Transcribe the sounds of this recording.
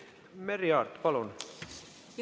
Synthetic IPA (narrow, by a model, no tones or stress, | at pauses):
meriɑrt̪pɑlon